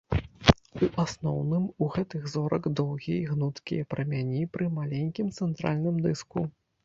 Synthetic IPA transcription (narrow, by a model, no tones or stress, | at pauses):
uʔasnɔ̰wnɨmuɣɛt̪ɨɣzɔɾɐɡd̪ɔwɣʲiiɣnut̪kʲḭjɐpɾɐmʲanʲipɾɨmalʲenʲkʲimt̪sɛnt̪ɾa̰lʲnɨmd̪ɨsku